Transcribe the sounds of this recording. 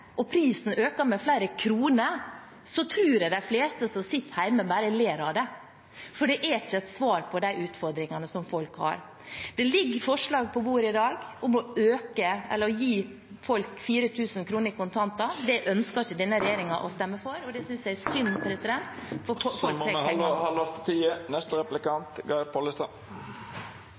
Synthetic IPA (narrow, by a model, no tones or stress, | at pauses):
ʔɔpʰɾiːsn̩øːkɑmɛflæɪɾəkʰɾuːnəɾ | sɔt̪ʰɾʉːɾæɪd̪æfleːst̪əsɔsɪt̪ːhæɪməbæːɾəleːɾɑd̪ɛ | fɔɖɛʔæɪçːəɛt̪sʋɑːɾpʰɔd̪æɪʔʉːt̪fɔɾd̪ɾɪŋɑnəsɔmfɔlkhɑ̰ɾ | d̪̥ɛlɪɡːfɔʂlɑːɡpʰɔbuːɾɪd̪ɑːɡʊmɔøːkəɛ̰lːəɾɔjiː | fɔlkfiːɾət̪ʰʉːsnkʰɾuːnəɾɪkʊnt̪ʰɑnt̪ɑd̪ɛʔœnskɑɾɪçəd̪ɛnːəɾɛjeːɾɪŋɑʔɔst̪ɛmːəfɔɾɔd̪ɛsʏnsæɪɛsʏnpɾɛsɪd̪ɛnt̪fɔɾfɔɾfɔlɾɛɛhɑlɑst̪t̪ʰiːənɛst̪əɾɛplɪkɑnt̪ɡɑpʰɔlɪst̪ɑ